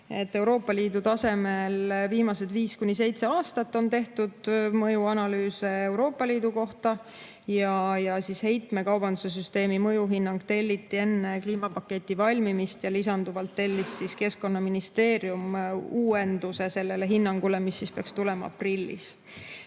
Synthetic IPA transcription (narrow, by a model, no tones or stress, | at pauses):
e̞t̪ːe̞wɾo̞ːpːˑɑliːd̪̥ut̪ɑse̞me̞lviːmɑsed̪̥viːskunʲis̬e̞jt̪seɑːst̪ɑt̪ːo̞nt̪e̞ht̪ud̪̥mɤjuɑnɑlyːse̞ːwɾo̞ːpːˑɑliːd̪uko̞ht̪ɑ | jɑjɑsishe̞jt̪me̞kɑwb̥ɑnd̪u̥se̞s̬yst̪e̞ːmimɤjuɦinːɑŋɡ̥̚t̪e̞lʲːit̪ˑːie̞nːe̞kliːmɑpɑkːe̞t̪ʲːˑivɑlʲmimist̪jɑlisɑnd̪uvɑlt̪ːe̞lʲːissiske̞skko̞nːɑminist̪e̞ːɾjumuːe̞nd̪use̞se̞lːe̞le̞ɦinːɑŋɡ̥ule̞misːispe̞ɑkst̪ule̞mɑɑ̰prilʲːḭs